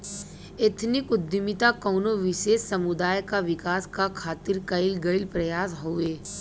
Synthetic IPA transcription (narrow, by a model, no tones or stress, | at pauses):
et̪ʰnɪkʊd̪jʊmɪt̪akɔːnoʋɪʃeːsːɐmʊd̪aːjkaʋɪkaːskakʰaːt̪ɪɾkɐɪlɡɐɪlpɾɐjaːsɦoeː